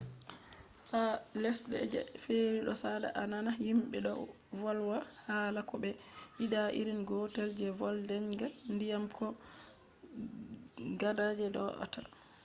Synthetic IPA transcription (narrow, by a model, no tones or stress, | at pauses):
falɛsdɛ̰d͡ʒɛ̰feɾiɗɔsada̰ʔananahimɓɛɗɔ̰ | vɔlwahaːlakɔbɛʔiɗaʔḭɾinɡɔtɛld͡ʒɛvɔldɛɲɡandijamkʰɔ | ɡadad͡ʒɛdɔ̰ʔɔ̰ta